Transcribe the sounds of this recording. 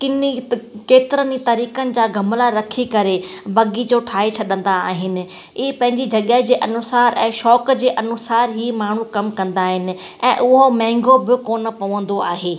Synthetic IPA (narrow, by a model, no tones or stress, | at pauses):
kɪnikeːt̪ɪɾənit̪ɐɾiːkənɪ̆d͡ʑaːɡɐmlaɾɐkʰikɐɾebɐɡid͡ʑoːʈʰaːet͡ɕʰɐɗə̃nd̪aa̰ːɦɪnɪ̆ | iːpɐ̃ɦɪ̃ɲd͡ʑid͡ʑɐɠəɦd͡ʑeːʔɐnʊsaːɾɛ̃ːʃɔːkd͡ʑeːʔɐnʊsaːɾɦiːmaːɳ̤ukɐmkɐ̃nd̪aːɦɪnɪ̆ | ɛ̰̃ːʔʊɦomɛ̃ːŋɡobɪkoːnəpɐʋə̃nd̪oaːɦeː